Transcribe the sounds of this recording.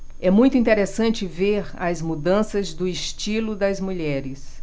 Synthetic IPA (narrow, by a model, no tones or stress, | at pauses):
ɛmũj̃t̪ʊĩnt̪eɾesɐ̃nt͡ʃɪveɾɐzmud̪ɐ̃sɐzd̪ʊɪʃt͡ʃilʊd̪ɐzmuʎɛɾɪs